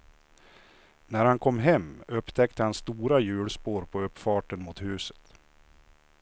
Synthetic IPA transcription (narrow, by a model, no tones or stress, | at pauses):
næɾhankʰɔmːɦɛmːɵpt̪ʰɛkt̪əhanst̪uːɾajʉ̟ːɽspoːɾpʰɔɵpːfɑːʈənmʊt̪hʉ̟ːsə̥t̪